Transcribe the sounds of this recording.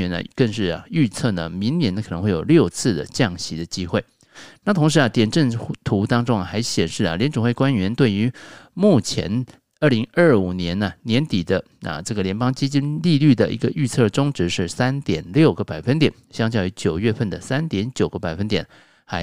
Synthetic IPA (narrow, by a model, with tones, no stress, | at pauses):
ɛ˧˥nə̰˧kə˥˧ŋʂɻ̩˥˩ɐ̰˨y˥˧t͡sʰɤ˥˩nə̰˩mi˧˥ŋnjɛ˧˥nk̪ʰɤ˧˦˥xwe˥˩jo̰˨˩ʊljo˥˧ʊt͡sʰɹ̩˥˩d̪ə̰˩t͡ɕjɑ˥˩ŋɕi˧˥d̪ə˧t͡ɕi˥xwe˥˩ɪ | na˥˩t̪ʰʊ˧˥ŋʂ̬ɻ̩˧˥ə˧t̪jɛ˨˩nʈ͡ʂə˥˩nt̪ʰu˧˥t̪ɑ˥ŋʈ͡ʂʊ˥ŋɐ˩xa˧˥ɪɕjɛ˨˩nʂɻ̩˥˩ɐ̰˩ljɛ˧˥nʈ͡ʂʊ˨˩ŋxwe˥˩ɪkwa˥nɥɛ˧˥nt̪we˥˩ɪy˧˥mu˥˩t͡ɕʰjɛ̰˧˥n | ə˞˥˩li˧˥ŋə˞˥˩u˨˩njɛ˧˥nɐ˨njɛ˧˥nt̪i˨˩d̪ə˦ | ə̰˨˩ʈ͡ʂɤ˥˩ɡə˩ljɛ˧˥npɑ˥ŋt͡ɕi˥t͡ɕi˥nli˥˧ly˥˩d̪ə˩ʔḭ˧˥ɡə˧ʔy˥˧t͡sʰɤ˥˩ʈ͡ʂʊ˥ŋʈ͡ʂɻ̩˧˥ʂɻ̩˥˩sa˥nt̪jɛ˨˩nljo˥˩ʊɡə˦pa˨˩ɪfə˥nt̪̬jɛ˨˩nɕjɑ˥ŋt͡ɕjɑ˥˩y˧˥t͡ɕjo˨˩ʊɥɛ˥˧fə˥˩nd̪ə˩sa˥nt̪jɛ˧˥nt͡ɕjo˨˩ʊɡ̥ə˦˧pa˨˩ɪfə˥nt̪jɛ̰˨˩n | xa˧˥ɪ